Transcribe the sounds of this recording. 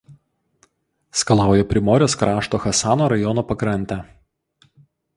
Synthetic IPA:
skɐlˠɑˑʊjɛpʲɾʲɪmɔːɾʲoːskɾʔɑːʃt̪oːxɐsɑːnoːɾɐjɔnoːpɐkɾɐnʲt̪ʲæ

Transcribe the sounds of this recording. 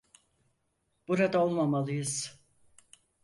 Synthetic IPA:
b̥uɾad̪ao̞lˠmamalˠɯjɯz̥

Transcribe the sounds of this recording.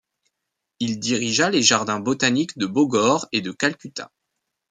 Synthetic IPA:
ild̪iʁiʒaleʒaʁd̪ɛ̃bot̪anikd̪əboɡɔʁed̪əkalkʲyt̪ã̰

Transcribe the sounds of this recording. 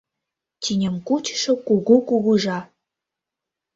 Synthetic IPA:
tʲinʲə̆mkut͡ɕə̥ʃə̆kuɣukuɣuʒɑ

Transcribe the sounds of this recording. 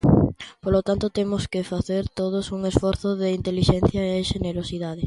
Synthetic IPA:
polot̪ant̪ot̪emʊskɪfaθeɾt̪oð̞osuŋesfɔɾθʊðɪint̪eliʃɛnθjɐeʃeneɾosiðaðe

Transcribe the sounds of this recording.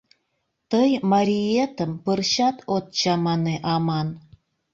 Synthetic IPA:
t̪ɤjmɑɾʲiet̪ə̆mpɯrɕɑt̪ʰot̪̚t͡ɕɑmɑneʔɑmɑn

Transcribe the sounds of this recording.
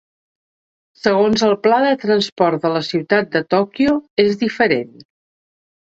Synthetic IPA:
səɣ̞onzəlˠplaðət̪ɾənspɔɾt̪̚d̪ələsiwt̪at̪̚d̪ət̪ɔkioezðifəɾḛn

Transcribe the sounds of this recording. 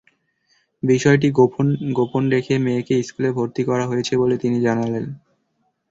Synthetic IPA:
biʃɔeʈ̬iɡoɡoponɾekʰemeːkeiskulebʱoɾt̪ikɔɾaɦojet͡ɕʰebolet̪inid͡ʑanalen

